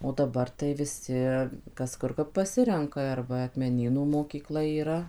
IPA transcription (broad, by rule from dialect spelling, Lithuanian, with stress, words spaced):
oː dɐˈbɐr tɐɪ ʋʲɪˈsʲɪ ˈkɐs ˈkʊr kɐp pɐˈsʲɪrʲɛŋkɐ ɐr ˈʋɐ ɐkmʲɛˈnʲiːnuː moːkʲiːˈklˠɐ iːˈrɐ